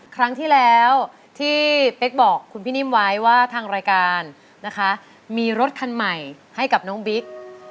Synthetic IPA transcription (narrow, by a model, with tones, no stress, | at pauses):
kʰɾa˦˥ŋt̪ʰiː˥˩lɛː˦˥w | t̪ʰiː˥˩pe˦˥k̚bɔː˨˩kʰːu˧npʰiː˥niː˥˩mwa˦˥jwaː˥˩t̪ʰaː˧ŋɾaː˧jkaː˧nː | a˦˥kʰa˦˥ | miː˧ɾo˦˥t̪̚kʰa˧nma˨˩j | ha˥˩jka˨˩p̚nɔː˦˥ŋbi˦˥k̚